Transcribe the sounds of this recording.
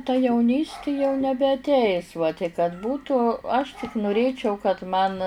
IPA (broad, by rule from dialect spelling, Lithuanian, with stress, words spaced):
tɐ jɛʊˈnʲiːsʲtʲɪ jɛʊ nʲɛbʲɛɐtʲˈɛɪs ʋɐ tʲɪk kɐt ˈbuːtuː ɐʃ tʲɪk nʊˈrʲeːt͡ʃʲɛʊ kɐt mɐn